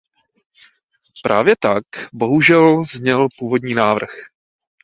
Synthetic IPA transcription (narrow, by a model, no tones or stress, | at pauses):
pɾʔa̰ːvjɛt̪akbo̞ɦuʒɛlzɲɛlpuːvo̞dɲiːnaːvr̩x